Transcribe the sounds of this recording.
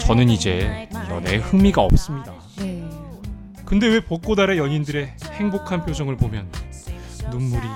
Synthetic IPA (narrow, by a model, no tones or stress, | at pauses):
t͡ɕʌnɯnid͡ʑe̞ɾʌ̰ne̞hɯmiɡaʌ̰p̚s͈ɯmɲida | kɯnde̞we̞pok͈odaɾe̞jʌŋindɯɾe̞he̞ŋbokʰanpʰjod͡ʑʌŋɯɭpomjʌnː | umːuɾi